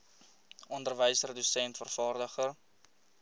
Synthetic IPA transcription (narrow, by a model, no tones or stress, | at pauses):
ɔndərvəjsrədysɛntfərfɑːrdəχər